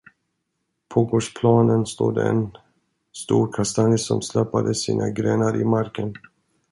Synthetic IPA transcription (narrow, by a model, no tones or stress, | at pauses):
pʰoːɡoːʂpʰlɑːnənst̪oːd̪ə̰ɛn | st̪uːɾkʰast̪anɪsɔmslɛpːad̪əsiːnʔaɡɾeːnaɾʔɪmaɾkən